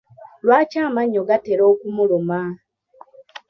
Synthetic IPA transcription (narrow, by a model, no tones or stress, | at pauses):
lwaːcaːmaɲːo̞ɡateɾo̞ːkumuluma